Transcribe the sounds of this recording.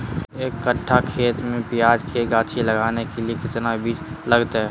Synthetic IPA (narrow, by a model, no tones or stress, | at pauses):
eːkːəʈʰːakʰeːt̪mẽpɪjaːd͡ʒkʰeɡaːt͡ʃʰiləɡaːnekeliekɪt̪nabʱit͡ʃləɡt̪ɦɛː